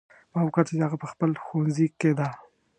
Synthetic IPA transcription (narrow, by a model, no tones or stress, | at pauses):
mɑwkaɾt͡ʃed̪eaɣapəxpəlxonziked̪a